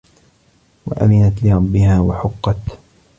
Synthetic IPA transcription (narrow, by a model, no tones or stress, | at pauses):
wa̰ʔa̰mɪnat̪lɪɾˤɑbːɪhaːwaħʊqːɑt̪